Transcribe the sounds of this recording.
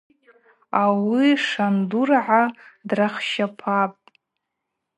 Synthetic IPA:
awiʂandurʕadraχʃapʰapʼ

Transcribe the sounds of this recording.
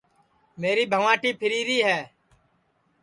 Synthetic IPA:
meːɾiːbʱəʋãːʈiːpʰɪɾiːɾiːɦɛː

